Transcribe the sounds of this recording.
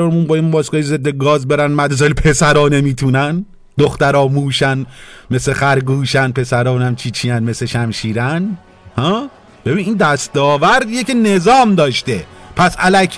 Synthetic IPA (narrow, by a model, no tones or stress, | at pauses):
ɒːɾmunbɒːjimbɒːskɒːjized̪ːeɡɒːzbeɾænmæd̪zɒːlipʰesæɾɒːnemiːt̪ʰuːnæn | d̪oxt̪æɾɒːmuːʃænmesexæɾɡuːʃænpʰe̞sæɾɒːnæmt͡ʃʰiːt͡ʃʰijænme̞sleʃæmʃiːɾæn | hɒ | b̥e̞biːniːnd̪æst̪ɒːvæɾd̪ijecenezɒːmd̪ɒːʃt̪epʰæsælækʰ